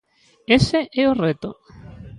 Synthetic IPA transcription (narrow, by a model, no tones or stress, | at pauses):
eseʔeoret̪o̰